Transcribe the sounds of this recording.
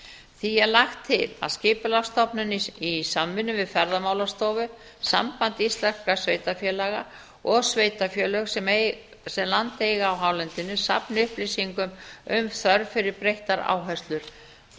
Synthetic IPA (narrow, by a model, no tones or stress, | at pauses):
θiɛðlaxt̪ʰːɪla̰ðscɪːpʏlafst̪ɔpnʏnisamːɪnːʏvɪðfɛɾðamaːwlast̪ɔːvʏ | sa̰mpant̪ist̪lḁkasveːjt̪afjɛːlaɣa | ɔɣsveːjt̪afjœːlœɣsɛ | sɛmlant̪ejɣaːwɦaːwlɛnt̪ɪnʏsa̰pnɪʏhplɪsiŋkʏmʏmθœɾfɪɾɪɾpɾejht̪aɾa̰ːwɦɛst̪lʏɾ̥